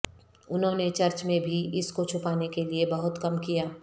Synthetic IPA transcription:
ʊnɦõːnet͡ʃɐɾt͡ʃmẽbʱiɪskot͡ʃʰʊpaːnekeliebɐɦʊt̪kɐmkijaː

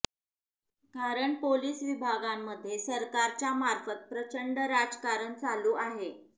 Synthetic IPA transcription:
kaɾəɳpoliːsʋibʱaɡamːəd̪ʱːjesəɾkaɾt͡ɕjamaɾfət̪̚pɾət͡ɕəɳɖɾad͡zkaɾənt͡saluːʔaɦe

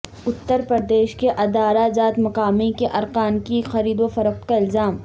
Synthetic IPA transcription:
ʊt̪ːəɾpɾɐɾd̪eːʃkeʔɐd̪aːɾazaːt̪mɐqaːmikeʔɐɾqaːnkixɐɾiːd̪ofɐɾəq̚t̪kaɪlzaːm

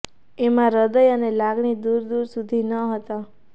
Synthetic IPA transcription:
emãɾəd̪əjənelaɡɳid̪uɾd̪uɾsud̪ʱinəɦət̪a

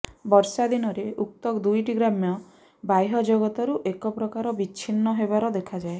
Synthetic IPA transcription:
bɔɾsad̪inɔɾeʔuk̚t̪ɔkd̪ujʈiɡɾamjɔ | bajɦɔd͡ʒɔɡɔt̪ɔɾuʔekɔpɾɔkaɾɔbit͡ʃʰinːɔɦebaɾɔd̪ekʰad͡ʒae

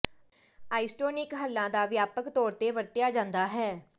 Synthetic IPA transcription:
aːɪsʈoːnɪkɦəlːãːd̪aːʋjaːpəkt̪ɔːɾt̪eːʋəɾt̪ɪjaːd͡ʒãːnd̪aːɦɛː

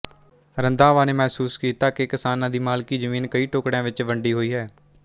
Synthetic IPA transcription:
ɾə̃nd̪aːʋaːneːmɛːsuːskiːt̪aːkekɪsaːnãːd̪iːmaːlkiːzəmiːnkəiːʈoːkɽãːʋɪt͡ʃʋəɳɖiːɦoːiːɦɛː

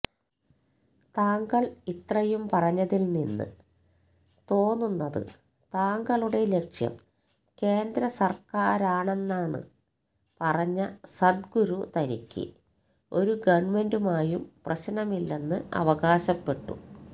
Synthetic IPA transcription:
t̪aːŋɡɐɭit̪rɐjumpɐrɐɲːɐðilninːɨ̰ | t̪o̞ːnːunːɐðɨ̰ | t̪aːŋɡɐɭuɽe̞le̞kʂjɐ̰m | ke̞ːnd̪ɾɐsɐrkaːɾaːɳe̞nːaːɳɨ̰ | pɐrɐɲːɐsɐd̪̚ɡuɾut̪ɐnḭkʲːɨ̰ | o̞ɾuɡɐʋɐme̞ndumaːjumprɐɕnɐmilːenːɨɐ̰ʋɐɣaːɕɐpːe̞ʈːṵ

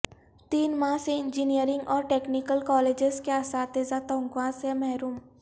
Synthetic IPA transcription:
t̪iːnmãːseɪ̃nd͡ʒiniəɾɪ̃ŋɡɔːɾʈeːknɪkəlkɔːleːd͡ʒɪzkeasaːt̪ezat̪ɔ̃ːŋɡwãsemɛɦɾuːm

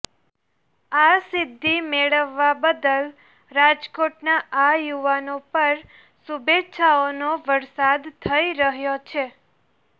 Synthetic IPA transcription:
asɪd̪ʱːimeɭəʋːabəd̪əl | ɾad͡ʒkoʈnaajuʋanopəɾ | subetːʃʰaonoʋəɾsad̪t̪ʰəiɾəɦjot͡ʃʰe

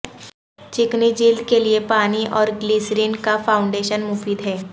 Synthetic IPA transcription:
t͡ʃɪknid͡ʒiːld̪keliepaːniʔɔːɾɡliːsɾiːnkafʰaːʊ̃ɳɖeːʃənmuːfiːd̪ɦɛː

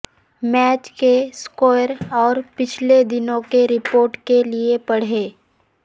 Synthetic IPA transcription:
mɛːt͡ʃkeskɔːjəɾɔːɾpɪt͡ʃʰled̪ɪnõkeɾɪpoːɾʈkeliepɐɽ̤eː

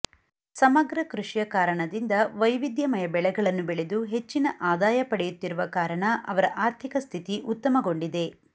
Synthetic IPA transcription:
sɐmɐɡɾɐkɾuʂjɐkaːɾɐɳɐd̪ind̪ɐʋɐjʋid̪jɐmɐjɐbɛɭɛɡɐɭɐnːubɛɭe̞d̪uɦe̞t͡ʃːinɐʔaːd̪aːjɐpɐɽɛjut̪ːiɾuʋɐkaːɾɐɳɐʔɐʋɐɾɐʔaːɾt̪ʰikɐst̪ʰit̪iʔut̪ːɐmɐɡo̞ɳɖid̪e̞

